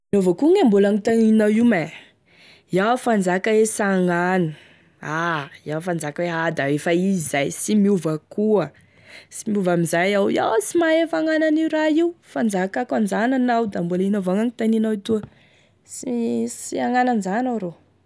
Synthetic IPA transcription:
miovakuŋembulaŋit̪aninawiwma | jawfand͡zakawesaŋanə | ajafand͡zakwead̪aefaizizajsimiuvəkuə | simiuvamizajawja̰wt͡simaefaŋananiɾaiufand͡zakakand͡zananawd̪ambulinovaŋaŋit̪aninawit̪uə | sisiaŋananzanawɾo

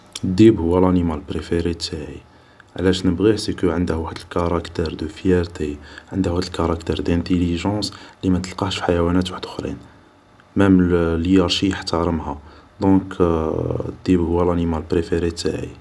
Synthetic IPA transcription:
əd̪ːibhʊwːælænimalpɾefeɾit̪ːaʕi | ʕlæʃnəbɣisikəʕənd̪hwħəd̪əlkɑɾˤɑkt̪ɛɾd̪əfjæɾt̪iʕənd̪huhæd̪əlkɑɾˤɑkt̪ɛɾd̪ænt̪eliʒɑ̃slimæt̪əlqɑʃfiħajæwænæt̪waħəd̪əxɾḭn | mæmljɑɾˤʃijəħt̪ɑɾˤəmhæd̪ɔ̃k | ə̰d̪ːibhʊwːælænimalpɾefeɾit̪ːaʕḭ

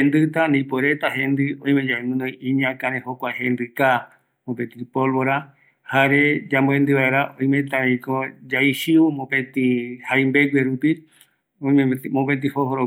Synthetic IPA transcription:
end̪ɨt̪anĩpoeɾet̪ahẽnd̪ɨõj̃mẽd͡ʒaimɨ̃nõĩĩɲãkãɾẽhokʷahẽnd̪ɨka | mopẽt̪ɾipolβoɾa | haɾed͡ʒamboẽnd̪ɨβaeɾaʔõj̃mẽt̪ãɾĩkod͡ʒaiʃiumõpẽt̪ĩhajmbeɡʷweɾupi | õmõpet̪̬ĩhohoɾo

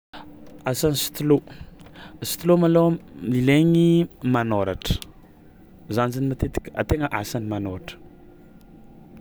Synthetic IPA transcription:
asanisi̥t̪ulo | si̥t̪ulomalolileŋimanoɾaʈ͡ʂə̥ | zanzinimat̪et̪i̥kʲə̥a̰t̪eŋəʔasanimanoɾaʈ͡ʂə̥

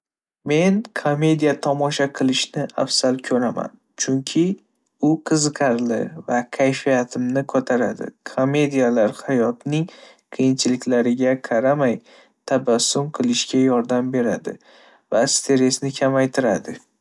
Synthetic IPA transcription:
me̞nkʰome̞d̪ijat̪ʰɒmɒʃaqʰɨlˠɪʃnɪa̰fsalˠkʲʰɵɾama̰n | t͡ʃʰʊŋkʲʰɪ | ʊqʰɨzɨqʰɑɾlɪ̰vakʲʰajfijat̪ʰɪmnɪkʰot̪ʰaɾad̪ɪ̰kʰome̞d̪ijalaɾhajɒt̪nɪŋ | qʰɨjɪnt͡ʃʰɪlɪkʲlaɾɪɡʲaqʰɑɾamaj | t̪ʰabasːʊmqʰɨlˠɪʃɡʲajɒɾd̪ambe̞ɾad̪ɪ̰ | vast̪ʰe̞ɾe̞snɪkʲʰamajt̪ʰɪɾad̪ɪ

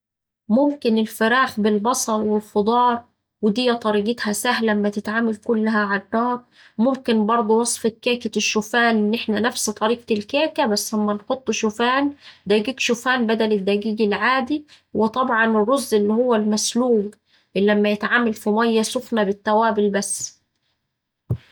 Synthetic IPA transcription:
mʊmkɪnɪlfɪɾæːħbɪlbɑsˤɑɾˤwelfod̪ˤɑːɾˤ | wɪd̪ɪjːæt̪ˤːɑɾiːɡɪt̪hæsæhlmːæt̪ɪt̪ʕaːmælkʊlːɦæʕanːɑːɾˤ | mʊmkɪnbɑɾˤd̪ˤuwɑsˤfet̪̚kæːkæʃːʊfæːnʔɪnːʔeħnænæfst̪ˤɑɾiːq̚t̪ɪlkæːkæbæsːlæmːænħot̪ˤːʃʊfæːnd̪æːɡiːɡʃʊfæːnbæd̪ælɪd̪ːæɡiːɡɪlʕaːd̪i | wɪt̪ˤɑbʕɑnɪrːozːʔɪlːihowːælmæsluːb | lːæmːæjet̪ʕaːmælfimæjːæsofnæbɪt̪ːæwæːbɪlbæsː

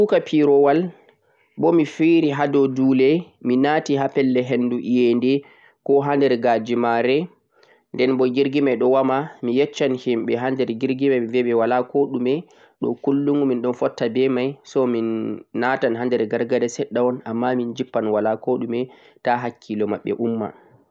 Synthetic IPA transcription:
ukapʰiɾɔwal | bɔmifiɾiɦadɔduːlɛ | minaːtiɦapɛlːɛɦenduʔijɛndɛ | kɔɦandɛɾɡad͡ʒimaɾɛ | ndɛnbɔɡiɾɡimajɗɔwamamijɛt͡ʃːanhimɓɛɦandɛɾɡiɾɡimajvɛɓɛwalakoɗumɛ | ɗɔ̰kulːuŋɡuminɗɔnfɔtːabɛmajsɔminːatanhandɛɾɡaɾɡadɛsɛɗːawɔnamːamind͡ʒipːanwalakoɗumɛ | taɦakʰːilɔmaɓːɛ̰ʔumːa̰

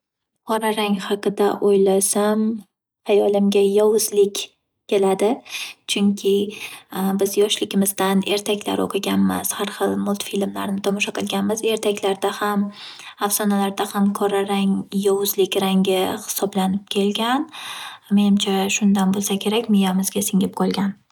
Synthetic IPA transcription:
qʰɒɾaɾaŋhɑqɨd̪aʔojlasam | ajɒlɪmɡʲajɒwʊzlɪkʲ | kʲːe̞lad̪ɪt͡ʃʰʊŋkʲʰɪ | bɪzjɒʃlɪɡʲɪmɪzd̪ane̞ɾt̪ʰakʲla̰ɾo̰qʰɨɡʲanmɪz̥haɾχɨlˠmʊlˠt̪filmlaɾnɪt̪ʰɒmɒʃaqʰɨlˠɡʲanmɪze̞ɾt̪ʰakʲlaɾd̪ahamafsɒnalaɾd̪ahamkʰɒɾaɾaŋjɒwʊzlɪkʲɾaŋʲɪhɪ̥sɒblanɪp̚kʲʰe̞lɡʲanme̞nɪmt͡ʃʰaʃʊnd̪anbolˠsakʲʰe̞ɾakʲmɪjamɪzɡʲasɪŋɪp̚qʰɒlˠɡʲan

